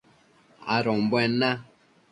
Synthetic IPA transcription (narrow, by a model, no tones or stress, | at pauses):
a̰ɾɔ̃mbɛnã